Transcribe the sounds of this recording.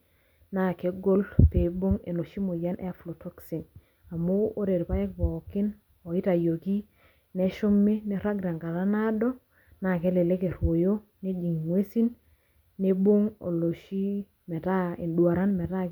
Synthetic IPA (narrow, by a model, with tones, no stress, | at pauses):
na˦˨ke˨˦ɡo˦lpe˨bo˦ŋḛ˨no˨ʃi˦mo˨ja˦nʔɛ̰˦a˦flo˨tʰo˦ksi˨n | a˨mo˦o˦ɾe˨ɾpa˦ɛ˦k̚pɔ˨kɪ˦n | ɔ˨ɪ˦ta˨jo˨ki˦ | nɛ˦ʃʊ˦mːɪ˦ne˦ɾa˦ɡɾa˨ŋka˨ɾa˦na˦dɔ˦ | na˨kɛ˦le˨le˦ke˨ɾwo˨jo˦ | ne˦d͡ʒi˨ŋ˨ŋwe˦si˦nː | e˦bo˦ŋo̰˨lo˨ʃi˦ | mɛ˨ta˦i˨ndwa˨ɾa˦nmɛ˨ta˦